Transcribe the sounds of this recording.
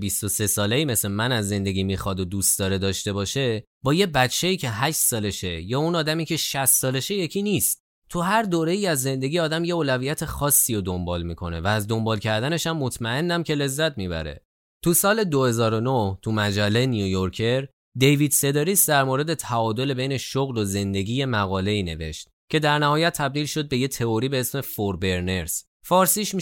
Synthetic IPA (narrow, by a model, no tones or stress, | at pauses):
bist̪o̞se̞sɒːle̞iːme̞slemænæzːe̞nd̪e̞ɟʲiːmiːxɒd̪od̪ust̪d̪ɒːɾe̞d̪ɒːʃt̪e̞bɒːʃe̞ | bɒːje̞bætt͡ʃʰːe̞iːcʰe̞ɦæʃt̪sɒːle̞ʃe̞jɒːunɒːd̪æmiːcʰe̞ʃæst̪sɒːle̞ʃe̞je̞cʰiniːst̪̚ | t̪ʰuɦæɾd̪oːɾe̞iːæzːe̞nd̪e̞ɟʲiɒːd̪æmje̞oːlævijæt̪ʰe̞xɒːsːiːɾod̪o̞mbɒːlmiːkʰo̞̰ne̞̰væːzd̪o̞mbɒːlcʰæɾd̪æne̞ʃæmːo̞t̪ʰmæe̞nːæmce̞le̞zːæt̪ʰmibæ̰ɾe̞̰ | t̪ʰusɒːle̞d̪o̞he̞zɒːɾo̞noht̪ʰumæd͡ʒælːejnijujoɾcʰe̞ɾ | d̪e̞jvid̪se̞d̪eɾisd̪æɾmoɾe̞d̪e̞t̪ʰæɒːd̪o̞le̞be̞jne̞ʃoɣlo̞ze̞nd̪e̞ɟiːje̞mæɣɒːle̞iːne̞̰ve̞̰ʃt̪̚ | cʰe̞d̪æɾnæhɒːjæt̪ʰːæb̚d̪iːlʃo̞d̪̚be̞je̞t̪ʰe̞oɾiːbe̞esme̞foɾbe̞ɾne̞ɾs | fɒːɾsiːʃmi